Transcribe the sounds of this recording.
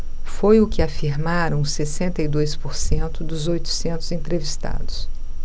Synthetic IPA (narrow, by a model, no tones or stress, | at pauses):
fojʊkɪafiɾmaɾɐ̃w̃sesẽnt̪ɐid̪ojspoɾsẽnt̪ʊd̪ʊzojt̪ʊ̥sẽnt̪ʊzẽnt̪ɾevist̪a̰d̪ʊs